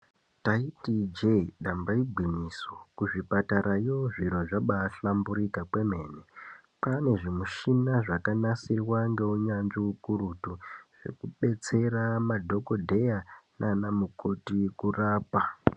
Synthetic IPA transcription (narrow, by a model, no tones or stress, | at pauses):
taitid͡ʒeɗambaibʱwimiːsokuʐipataɾajoʐiɾo̞ʐaɓaːɬambuɾikakwe̞me̞ːne | pane̞ʐimuʃinaʐakanasirwaŋɡe̞uɲanʐiukuɾutuʐ̥e̞̰kuɓe̞t͡se̞ramadʱo̞ko̞dʱe̞jananamukʰo̞tikuraːpa